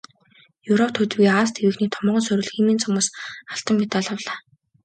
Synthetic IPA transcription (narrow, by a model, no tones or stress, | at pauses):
jɵwɾɔp̚t̪ʰɵt͡s̆ɣiːaːs̬t̪ʰewɘ̆xniːt̪ʰɔmɔːʁɞ̆nsɵɾɵ̆ɮximiːnt͡sʰɔmʊːsaɬt̪ə̆mːit̪aɮə̆wɮaː